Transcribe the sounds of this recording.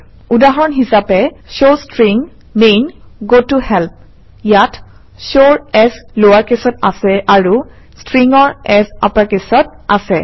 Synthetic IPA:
udaɦɔɹɔnɦisapɛ | sostɹiŋ | menɡotuhɛlp̚ | jat | soɹɛslowaɹkesɔtasɛaɹu | stɹiŋɔɹɛsa̰paɹkesɔt̚asɛ

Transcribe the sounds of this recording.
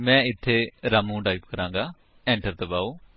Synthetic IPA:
mɛ̃ːɪt̪ʰːeːɾaːmũːɖaːiːpkəɾãːŋɡaː | ɛ̃ːɳʈəɾt̪əbaːoː

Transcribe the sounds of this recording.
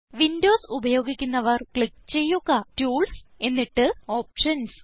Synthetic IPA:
ʋindo̞ːsubɐjo̞ːɡikʲːunːɐʋɐrkɭikːt͡ɕe̞jːuɣatuːɭse̞nːiʈːɨo̞ːp̚ʂɐns

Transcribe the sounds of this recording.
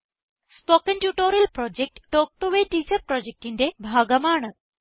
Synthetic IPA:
spokənʈjuːʈoɾɐlpɾɔd͡ʑek̚ʈʈːoːk̚ʈuʋeʈiːsɐpɾɔd͡ʑek̚ʈind̪ebʱaɡəmaːɳə

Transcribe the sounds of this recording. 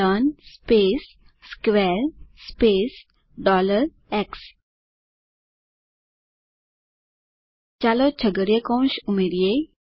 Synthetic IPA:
ənspesː | kʋɛɾspes | ɖɔləɾ | eks | t͡ɕalot͡ɕʰəɡəɽjəkɔ̃w̃ɕumeɾije

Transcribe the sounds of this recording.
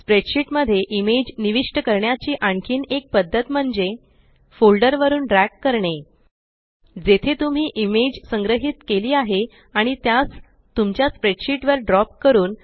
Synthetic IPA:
spɾeʈɕiʈməd̪ʱːjeʔimed͡ʑniʋiʂʈəkəɾɳjat͡ɕiːʔaɳkʰiːnek̚pəd̪ʱːət̪m̤əɳd͡ze | folɖəɾʋəɾuːnɖɾækkːəɾɳe | d͡zet̪ʰet̪um̤iːʔimed͡ʑsəŋɡɾəɦit̪keliːaɦe | aɽ̃it̪jas | t̪umt͡ɕjaspɾeɖɕiʈʋəɾɖɾɔp̚kəɾuːn

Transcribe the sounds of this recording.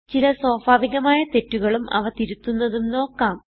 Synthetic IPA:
t͡ɕilɐsoːbʱaːʋiɣɐmaːjɐt̪e̞tːuɣɐɭumʔɐ̰ʋɐt̪iɾut̪ːunːɐðumno̞ːkːaːm

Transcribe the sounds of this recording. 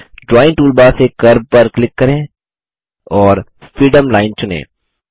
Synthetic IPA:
d͡ʒɔːɪ̃nʈuːlbasekɐɾb̚pɐɾklɪkːɐɾẽː | ɔːɾ | fɾiːɖəmlaːɪnt͡ʃʊnḛ̃ː

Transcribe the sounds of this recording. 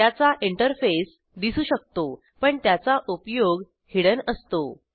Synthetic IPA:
jat͡saʔiɳʈəɾfes | d̪isuːɕək̚t̪o | pəɳt̪jat͡saʔupjoɡ | hiɭənəst̪o

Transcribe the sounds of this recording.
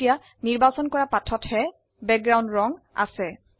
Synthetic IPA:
ija | niɹbasɔnkɔɹapatʰɔthɛ | bɛk̚ɡɹaw̃ndɹɔŋ | a̰sɛ

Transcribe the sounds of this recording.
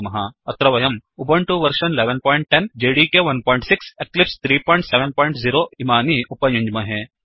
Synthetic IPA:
mɐɦaɐt̪ɾɐʋɐjɐmubɐɳʈuʋɐɾʃɐnleːʋenpɔːiɳʈ̚ʈend͡ʒeːɖikeʋɐnpɔːɪɳʈsɪkseklɪpst̪ʰɾiːpɔːj̃ɳʈseʋenpɔːĩɳʈziːɾoimaːniʔʊpɐjũɲd͡ʒmɐɦẽ

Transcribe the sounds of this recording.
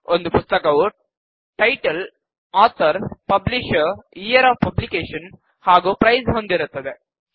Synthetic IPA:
ond̪upʊst̪ɐkɐʋu | ʈɐjʈɐl | aːt̪ʰɐɾpɐbliʂijɐɾaːfpɐblikeːʂɐn | haːɡupɾɐjsɦond̪iɾɯt̪ːɐd̪e

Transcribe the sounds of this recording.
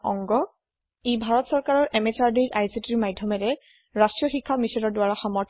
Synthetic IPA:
ɔ̰ŋɡɔ | ebʱaɹɔtsɔɹkaɹɔɹʔɛmɛsaɹdiɹʔajsitiɹmajdʱːɔmɛɹɛ | ɹastɹijɔxikʰːamisɔnɔɹdwaɹaxɔmɔɹtʰ

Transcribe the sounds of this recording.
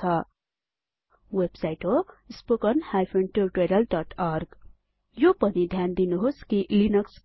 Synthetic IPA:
ʌ | websajʈoispokʌnhajpʰeɳʈurʈeɾʌlɖʌʈʰarɡ | jopʌnid̪ʱjand̪inuɦoskilinʌks

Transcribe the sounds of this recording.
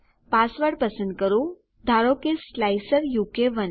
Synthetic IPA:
pasʋəɾɖpəsə̃nd̪̚kəɾu | d̪ʱaɾokeslajsəɾjuːkeʋən

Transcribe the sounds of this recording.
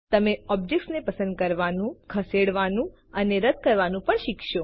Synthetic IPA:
t̪əmeɔb̚d͡ʒeksnepəsə̃nd̪̚kəɾʋanũkʰəseɽʋanũ | əneɾəd̪̚kəɾʋanũpəɳʃikʃo

